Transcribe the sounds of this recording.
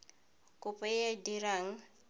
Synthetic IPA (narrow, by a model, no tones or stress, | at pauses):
kʼʊpʼɛjadiɾaŋ̩